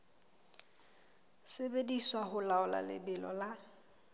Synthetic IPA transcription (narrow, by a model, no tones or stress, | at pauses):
sɪbediswaɦʊlaʊla̰lɪ̰bɪlɔla